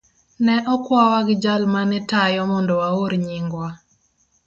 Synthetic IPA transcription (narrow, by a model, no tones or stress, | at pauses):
nɛʔɔkwawaɡɪd͡ʒalmanɛtajɔmɔndɔwaoɾɲiŋɡwa